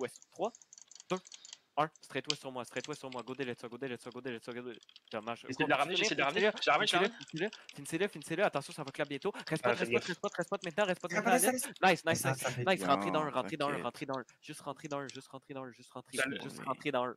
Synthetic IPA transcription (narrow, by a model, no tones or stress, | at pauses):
t̪wɛst̪χwad̪̥ø | ə̃sə̥t̪ʁɛt̪wɛssyʁmwasə̥t̪ʁɛt̪wɛsyʁmwaɡod̪elɛt̪sɔɡod̪elɛt̪sɔɡod̪elɛt̪sɔɡod̪eʒ̥amaʒk̪laʁamnɪid̪ləʁanləʒaseləfinseləfiniseləfiniseləat̪ɑ̃sjɔ̃savɔklabjɛ̃t̪oʁɛst̪ɔt̪ʁɛsɔt̪ʁɛst̪̚pɔt̪ʁɛst̪̚pɔt̪mɛ̃t̪̚nɑ̃ʁɛst̪pɔt̪ɛlɛnajsnajsnasnajsʁɑ̃t̪χed̪ɑ̃ʁɑ̃t̪χed̪ɑ̃ɛ̃ʁɑ̃t̪χed̪ɑ̃ | ʒ̥ʏst̪ʁɑ̃t̪χed̪ɑ̃ɜ̃ʒʏst̪ʁɑ̃t̪χed̪ɑ̃ɜ̃ʒɨst̪ʁɑ̃t̪χeʒst̪ʁɑ̃t̪χed̪ɑ̃ɜ̃